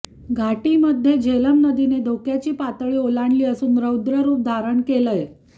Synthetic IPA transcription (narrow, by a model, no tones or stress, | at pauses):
ɡʱaʈiməd̪ʱːjed͡ʑʱeləmnəd̪ined̪ʱokjat͡ɕiːpat̪ɭiːolaɳliːəsuːnɾəud̪ɾəɾuːp̚d̪ʱaɾəɳkeləj